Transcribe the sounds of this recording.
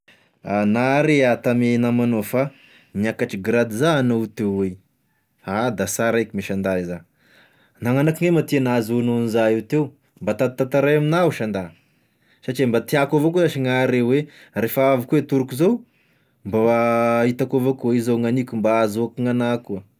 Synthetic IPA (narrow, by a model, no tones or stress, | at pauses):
anaɾeat̪amenamanofa | niakaʈ͡ʂiɡɾad̪izaːnot̪ewwe | ad̪asaɾakʲimiʃand̪aiza | naŋanakiŋemat̪inazononizaiwt̪ew | mbat̪ad̪̚t̪at̪aɾajaminauʃand̪a | saʈ͡ʂimbat̪iakovokuzaʃiŋaɾewerefaavikuwet̪uɾukuzow | mbait̪akovakuizoŋanikʲumbaazoakiŋanakuə